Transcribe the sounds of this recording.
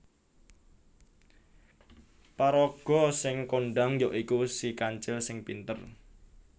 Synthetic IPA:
paɾɔɡ̥ɔ̤sɪŋkoɳɖaŋjɔʔikusikaɲt͡ʃɪlsɪŋpint̪ər

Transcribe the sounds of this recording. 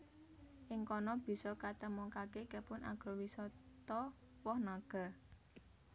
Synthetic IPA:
ʔɪŋkɔnɔb̥i̤sɔkat̪əmɔŋkakekəpʊnʔa̰ɡ̥ɾɔwisɔt̪ɔ | wɔhnaɡ̥a̤

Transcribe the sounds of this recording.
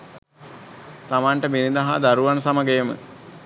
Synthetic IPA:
t̪amaɳʈəmiɾind̪ɐɦad̪aɾuʋansaməɡejəmə̰

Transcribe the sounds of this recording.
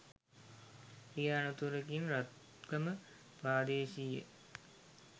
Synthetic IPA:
ijaːnut̪uɾekinɾat̪̚ | ɡɐmə | pɾaːd̪eːʃijə̰

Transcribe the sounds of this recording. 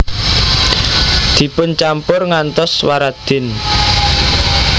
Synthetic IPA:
d̪̥i̤pʊnt͡ʃampʊrŋant̪ɔswaɾad̪̥ɪn

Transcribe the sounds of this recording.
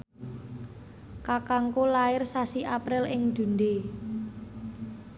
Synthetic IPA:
kakaŋkolaɪrsasiʔapɾɪlɪŋd̪̥ṳnde

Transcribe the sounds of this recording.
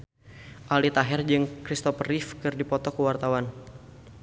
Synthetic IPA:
ʔalit̪aɦɛrd͡ʒɨŋkɾist̪ɔfrifkɨrdipɔt̪ɔkuwart̪awan

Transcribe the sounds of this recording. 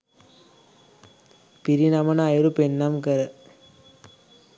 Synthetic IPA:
piɾinamɐnːjɾupenːɐmkɐɾɐ

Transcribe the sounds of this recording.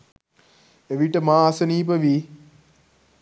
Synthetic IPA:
eʋiʈəmaːɐsəniːp̬əʋi

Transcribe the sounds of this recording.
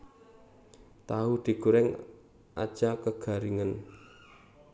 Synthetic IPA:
t̪aɦud̪̥i̤ɡ̥uɾɛŋ | ʔa̰d̥ʒ̥akəɡ̥a̤ɾiŋən

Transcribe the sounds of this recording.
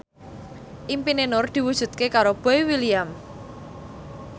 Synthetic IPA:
ʔimpinenʊrd̪̥i̤wud̥ʒ̥ṳt̪̚kekaɾob̥ɔ̤jwiliam

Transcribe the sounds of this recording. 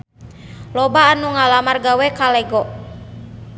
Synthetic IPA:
lɔbaːnuŋalamarɡawɛkalɛɡɔʔ

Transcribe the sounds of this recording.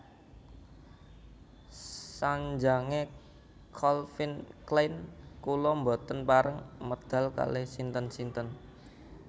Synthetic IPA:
saɲd͡ʒaŋe | kʰɔlfinklajnkulɔmbo̤t̪ənpaɾəŋməd̪̥a̤lka̰lehsint̪ənsint̪ən

